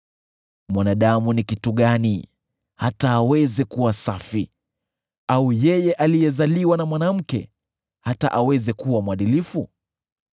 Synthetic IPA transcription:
mwanaɗamunikituɠani | hataːwɛzɛkuwasafi | aujɛjɛʔalijɛzaliwanamwanam̩kɛ̰ | hata̰ʔawɛzɛkuwamwaɗilifu

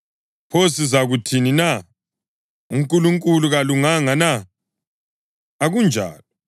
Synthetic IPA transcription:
pʰosizaɣutʰinina | uŋkʼuluŋkʼuluɣaluŋaŋana | aɣund͡ʒʱa̰ːlɔ

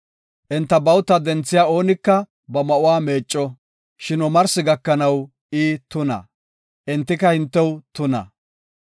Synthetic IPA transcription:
ʔɛnt̪ːɐbɐwt̪ːɐd̪ɛnt͡sːɪjaːo̞ːnɪkːɐ | bɐmɐʔʊwaːme̞ːt͡ʃʼːɔ | ʃɪnɔmɐɾsɪɡɐkːɐnɐw | ʔiːt̪ʊnɐ̰ | ʔɪnt̪ːɪkɐhɪnt̪ːɛwt̪ʊnɐ̰

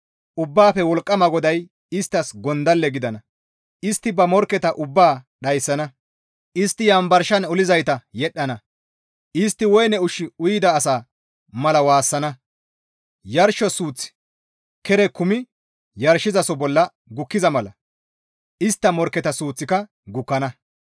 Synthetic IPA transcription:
ʔʊbːaːfɛwɔlkʼːɐmɐɡɔd̪ɐj | ɪst̪ːɐsɡɔnd̪ɐlːɛɡɪd̪ɐnɐ | ʔɪst̪ːɪbɐmɔɾkːɛt̪ɐʔʊbːaːɗɐjsːɐnɐ | ʔɪst̪ːɪjɐmbɐɾʃɐnɔlɪzɐjt̪ɐjɛɗːɐnɐ | ʔɪst̪ːɪwɔjnɛʊʃɪʊjɪd̪ɐːsaː | mɐlɐwaːsːɐnɐ | jɐɾʃɔsuːt͡sːɪ̥ | kɛɾɛkʊmɪ | jɐɾʃɪzɐsɔbɔlːɐ | ɡʊkːɪzɐmɐlɐ | ʔɪst̪ːɐmɔɾkːɛt̪ɐsuːt͡sːɪkɐ | ɡʊkːɐnɐ

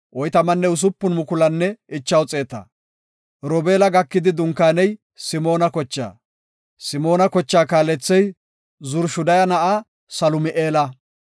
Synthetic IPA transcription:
ʔɔjt̪ɐmɐnːɛʊs̬ʊpːʊnmʊkʊlɐnːɛɪt͡ʃːɐwt͡sʼe̞ːt̪ɐ̰ | ɾɔbe̞ːlɐɡɐkːɪd̪ɪd̪ʊŋkaːnɛj | sɪmo̞ːnɐkɔt͡ʃːa̰ː | sɪmo̞ːnɐkɔt͡ʃːaːkaːlɛt͡sːɛj | zʊɾʃʊd̪ɐjɐnɐʔa | sɐlʊmɪʔeːlɐ

